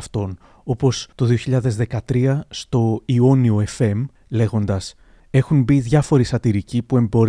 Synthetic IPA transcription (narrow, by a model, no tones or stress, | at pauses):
ft̪o̞n | o̞po̞st̪o̞ðio̞çiʎɐðe̞zðe̞kɐt̪ɾiɐst̪o̞io̞nio̞e̞fe̞m | le̞ɣo̞nd̪ɐs | e̞xunbiðʝɐfo̞ɾisɐt̪iɾicipue̞mbo̞ɾ